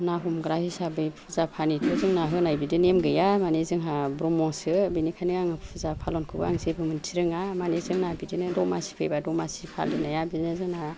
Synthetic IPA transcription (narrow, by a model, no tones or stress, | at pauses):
naɦumɡɾahisabɯjpʰuzapʰanitʰozɯŋnaɦɯnajbidinemɡɯjamanezɯŋɦabɾɔmɔsɯbinikʰaniŋaŋɯpʰuzapʰalɔnkʰɯbɯ̰a̰ŋzebɯmɯntʰiɾɯŋamanezɯŋnabidinɯdɔmasi̥pʰejbadɔmasipʰa̰lɯnajabinɯzɯŋna